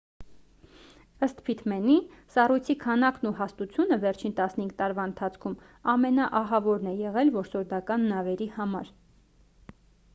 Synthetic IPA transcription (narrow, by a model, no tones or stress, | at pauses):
əst̪pʰit̪ʰmɛnisɑrujt͡sʰikʰɑnɑknuhɑst̪ut͡sʰjunəvɛɾt͡ʃʰint̪ɑsnəhiŋɡ̚t̪ɑɾvɑənt̪ʰɑt͡sʰkʰum | ɑmɛnɑʔɑɦɑvɔɾnɛjɛʁɛlvɔɾsɔɾd̪ɑkɑnːɑvɛɾihɑmɑɾ